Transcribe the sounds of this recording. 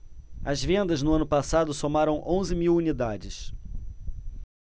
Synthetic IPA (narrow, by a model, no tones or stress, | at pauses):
ɐzvẽnd̪ɐznʊɐ̃nʊpasad̪ʊsomaɾɐ̃w̃ʔõzɪmiwunid̪ad͡ʒɪs